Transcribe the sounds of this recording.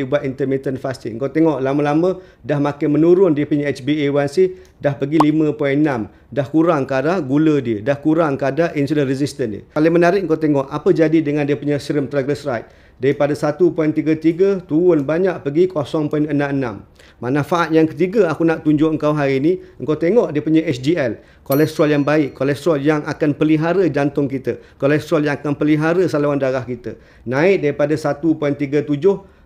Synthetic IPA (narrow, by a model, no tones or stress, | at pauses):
ibuat̪̚int̪əmit̪ənfast̪iəŋkawt̪eŋɔʔlaməlamə̃ | dahmakɪnmənuɾʊndiəpəɲaɛt͡ʃbiewansɪh | dahpəɡilimə̃pɔɛnnam | dahkuɾaŋkadahɡulədiədahkuɾaŋkadaʔinsulənrizist̪əndḭkalimənaɾɪʔ̚əŋkawt̪eŋɔʔapəd͡ʒadidəŋandiəpuɲasɾəmt̪ɾaɡləsɾajt̪̚ | daɾipadasat̪upuɛnt̪iɡat̪iɡət̪uʊnbaɲaʔpəɡikʰosɔŋpɔinənãmənã̰mː | ãnãfaʔat̪̚jaŋkət̪iɡaakunaʔt̪uɲd͡ʒʊʔəŋkawɦaɾiːnĩəŋkawt̪eŋɔʔdiəpuɲãʔɛsdiɛl | kolɛst̪ɾaljaŋbaɪʔkːɔlɛst̪ɾaljaŋʔakanpəliɦaɾəd͡ʒant̪ʊŋkit̪əkolɛst̪ɾaljaŋakanpəliɦaɾəsalawandaɾahkit̪ə̰ | nãɪʔ̪̚daɾipadasat̪upɔjnt̪iɡət̪ud͡ʒʊh